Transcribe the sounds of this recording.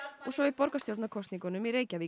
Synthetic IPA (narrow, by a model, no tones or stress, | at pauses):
ɔɣsɔɪpɔɾkast̪jowlt̪nakʰɔst̪niŋkɔnʏmiɾeːjcavi